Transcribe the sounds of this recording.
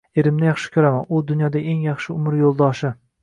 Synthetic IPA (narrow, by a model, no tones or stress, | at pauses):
e̞ɾɪmnɪjɑχʃɪ̥kʲʰɵɾamanʊd̪ʊnjɒd̪ae̞ŋjɑχʃɪʊmɪɾjolˠd̪ɒʃɪ